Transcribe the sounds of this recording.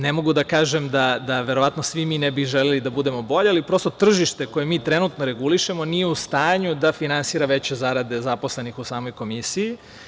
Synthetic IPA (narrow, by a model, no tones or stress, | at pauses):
nemo̞ɡud̪akaːʒe̞md̪ad̪aʋe̞ɾo̞ʋat̪no̞sʋimiːnebiʒelelid̪abud̪e̞mo̞bo̞ʎealipɾo̞st̪ot̪r̩ʒiʃt̪e̞ko̞je̞miːt̪ɾe̞nut̪no̞ɾe̞ɡuliʃe̞mo̞nijeust̪aːɲud̪afinansiːɾaʋe̞t͡ɕe̞zaɾad̪e̞zapo̞sle̞nixusaːmojko̞misiji